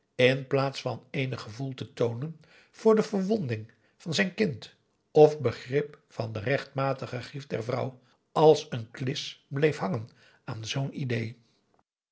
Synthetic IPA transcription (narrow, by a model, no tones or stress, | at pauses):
ɪnplaːtsfɑnejnəχəvulˠtətownən | v̥ʊːɹdəvəɹʋɔndɪŋ | vɑnzɛjnkɪnt | ɔfbəχrɪp | fɑndərɛχtmaːtəχəχrifdɛ̰ɹvrʌ̰w | ɑlˠsənklɪsblejfɦɑŋən | aːnzownidej